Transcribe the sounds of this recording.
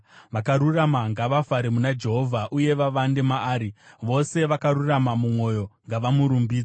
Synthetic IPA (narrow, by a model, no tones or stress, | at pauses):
ʋakaɾuramaŋɡaʋafaɾemunad͡ʒe̞ɦo̞vʱaʔuje̞ʋaʋande̞maːɾiʋo̞se̞ʋakaɾuramamumwo̞jo̞ŋɡaʋamuɾumbiːd͡za